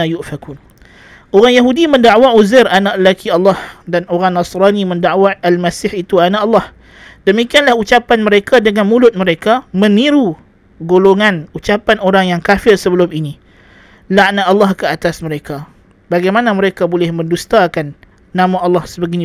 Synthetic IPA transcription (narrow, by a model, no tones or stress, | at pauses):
ajuʔfakun | ʔoɾaŋjaɦudimə̃ndaʔwauzɪranaʔləlakʰiɑlːɑhdanoɾaŋnɑsɾanimə̃ndaʔwaːlmasɪhit̪uanaʔɑlːɑh | dəmikianlahut͡ʃapanməɾekadəŋanmũlʊt̪̚məɾekamə̃niɾu | ɡoloŋãnut͡ʃapanoɾaŋjaŋkafɪrsəbəlʊmini | laʔnaɑlːɑhkəat̪asməɾeka | baɡajmanaməɾekabolɛhmə̃ndust̪akanː | ãmaʔɑlːɑhsəbəɡini